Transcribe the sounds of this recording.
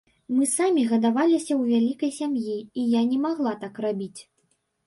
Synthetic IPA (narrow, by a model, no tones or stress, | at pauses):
mɨsamʲiɣɐd̪avalʲisʲɐwvʲalʲikɐjsʲamjiijanʲɛmaɣlˠat̪akrabʲit͡sʲ